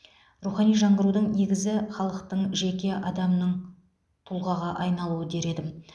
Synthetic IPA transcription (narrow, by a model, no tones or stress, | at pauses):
ruχɑnijʒɑɴʁəɾud̪əɴne̞ɡʲɪzɪχɑlˠəqt̪əɴʒe̞kʲe̞ʔɑd̪ɑmnəɴ | t̪ʰʊlˠʁɑʁɑʔɑjnɑlˠuəd̪e̞ɾe̞d̪ɪm